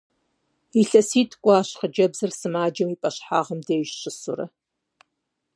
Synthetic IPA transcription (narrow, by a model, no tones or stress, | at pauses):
iɬɐsiːtʰkʷʼaːɕqəd͡ʒɐbzɐrsɨmaːd͡ʒɐmiːpʼɐɕħa̰ːʁəmdɐjʃɕʼɪsʊ̰ɾɐ̰